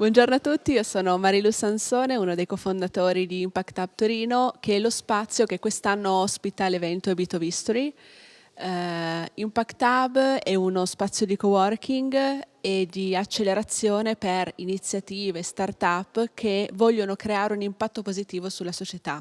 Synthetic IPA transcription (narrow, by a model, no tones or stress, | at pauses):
bwɔnd͡ʒornoat̪ːut̪ːiiosoːnomaɾilusansoːneunod̪ejkofond̪at̪oːɾid̪iːmpakt̪ab̚t̪oɾiːnokʰeɛlospat̪sːjokekːwest̪anːoaspit̪alevɛnt̪oebit̪ovist̪oɾi | impakt̪abɛunospat̪sːjod̪ikowɔrkʰiŋɡ | ed̪iat͡ʃːelːeɾat̪sːjoːneperinit̪sjat̪iːvest̪art̪apːkʰevɔʎːonokɾeaːɾeunimpat̪ːopozit̪iːvosulːasot͡ʃet̪a